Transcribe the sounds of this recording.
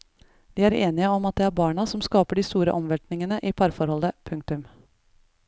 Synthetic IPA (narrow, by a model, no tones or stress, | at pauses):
ʋ̪iːæːɾeːnɪəɔmɑt̪̚d̪ɛæːɾbɑːɳɑsɔmskɑːpəɖiːst̪uːɾə̰ʔɔmʋɛʈnɪŋənəʔiːpʰɑɾfɔɾhɔləpʰʉŋk̚t̪ʉm